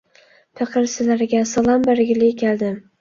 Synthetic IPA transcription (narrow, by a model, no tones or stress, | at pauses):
pɪqɨɾsɪlaɾɪɡʲasɑlˠɒmbeɾɡʲɪlɪjkʲʰeld̪ɪm